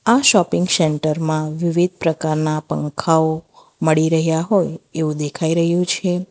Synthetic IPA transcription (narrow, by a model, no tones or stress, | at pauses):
aʃɔpɪ̃ŋɡsɛɳʈəɾmãʋiʋid̪̚ʱpɾəkaɾnapə̰ŋkʰao | məɭiɾəɦjaɦojeʋũd̪ekʰaiɾəɦjũt͡ʃʰe